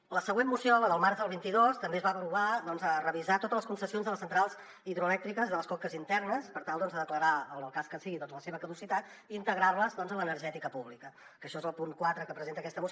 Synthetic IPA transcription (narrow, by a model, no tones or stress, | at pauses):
ləsəɣwenmːusioləðəlˠmaɾzðəlˠβ̞int̪iðost̪əmbeəzβaβpɾuβaðɔnzərəβizat̪ot̪ələskunsəsionzðələsənt̪ɾalˠz | iðɾuəlɛkt̪ɾikəzðələskɔkəzint̪ɛrnəspəɾt̪alˠd̪ɔnzðəðəkləɾaəlˠlˠkaskəsiɣiðɔnzləseβəkəðusit̪at̪ | iːnt̪əɣɾarləzðɔnzələnəɾʒɛt̪ikəpuβlikə | kəʃɔezəlˠpuŋkwat̪ɾəkəpɾəzent̪əkɛst̪əmus